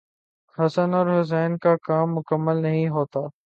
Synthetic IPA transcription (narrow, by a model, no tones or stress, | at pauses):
xɐsənɔːɾɦʊs̬ɛːnkakaːmːʊkəmːəlnɐɦĩɦoːt̪aː